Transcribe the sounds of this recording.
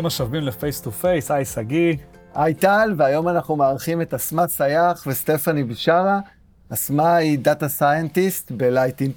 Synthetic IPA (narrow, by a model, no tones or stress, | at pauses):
maʃavimlefejstufejsajsaɡiʔajtalveajo̞manaχnumeaːʁχime̞tasmasajaχveste̞fanibiʃaʁa | asmaidatasajentist̪belajtin